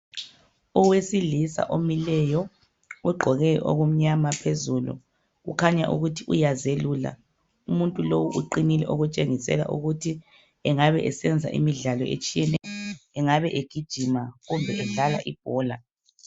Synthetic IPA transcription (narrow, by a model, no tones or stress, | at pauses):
ɔwesilisa̰ʔomilɛjɔ | ɣwɛɡ͡ǃʱɔɣɛjʔo̰ɣum̩ɲamapʰezulṵ | ɣṵkʰaɲa̰ʔṵɣutʰiʔujazeluːla̰ | umuntʼulowuʔuǃinilɛʔoɣut͡ʃʼeŋisɛ̰la̰ʔuɣutʰi | ɛŋaβɛʔɛsɛnd͡zʱa̰ʔḭmiɮalɔ̰ḛt͡ʃʼijɛnɛjɔɛŋaβɛʔeɡ̥ʱid̥ʒ̥ʱimaɣumbʱɛʔɛɮalaʔib̥ʱɔːla